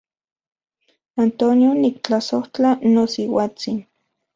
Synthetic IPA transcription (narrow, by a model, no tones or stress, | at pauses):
ant̪onionik̚t͡ɬasoht͡ɬanosiwaːt͡sin